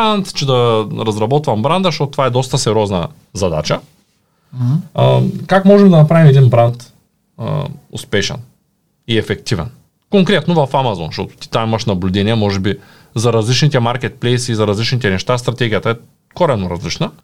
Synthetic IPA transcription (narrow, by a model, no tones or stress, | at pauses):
ant̪t͡ʃɛd̪ɐɾɐzɾɐbɔt̪vɐmbɾand̪əʃt̪ot̪ot̪ːovaɛd̪ɔst̪ɐsɛɾʲɔznɐ | zɐd̪a̰t͡ʃɐ | kakmɔʒɛmd̪ɐnɐpɾavimɛd̪inbɾant̪ | ʊ̰spɛʃɛ̰n | iɛfɛkt̪ivɛ̰n | koŋkɾɛt̪novɐfamazɔ̰nʃt̪ɔt̪o̥t̪i̥t̪amimɐʃnɐblʲʊd̪ɛniɛmɔʒɛbi | zɐɾɐzlit͡ʃnit̪ɛmaɾkʲɛt̪̚plɛjsiːzɐɾɐzlit͡ʃnit̪ɛnɛʃt̪ast̪ɾɐt̪ɛɡʲijɐt̪ɐɛ | koɾɛnoɾɐzlit͡ʃnɐ